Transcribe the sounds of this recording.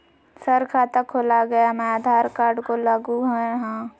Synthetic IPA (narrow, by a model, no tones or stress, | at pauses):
səɾkʰaːt̪əkʰoːlaɡɐjamɛ̃aːd̪ʱaːɾkaːɾɖkolaːɡuɦɛ̃ɦãː